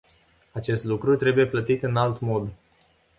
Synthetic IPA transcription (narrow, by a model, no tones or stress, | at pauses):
at͡ʃe̞st̪lukɾut̪ɾe̞buje̞plət̪it̪ɨnalt̪mo̞d̪